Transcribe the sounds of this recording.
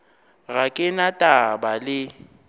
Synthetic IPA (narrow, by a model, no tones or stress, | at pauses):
ɣakʼɪnatʼabalɪ